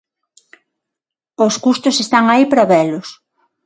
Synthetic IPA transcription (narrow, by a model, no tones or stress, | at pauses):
oskust̪ʊsest̪aŋaipɾaβɛlʊs